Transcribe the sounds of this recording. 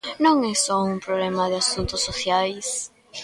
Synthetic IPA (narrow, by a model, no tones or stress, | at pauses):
nõŋɛsɔumpɾoβlemaðeasunt̪ʊsːoθjajs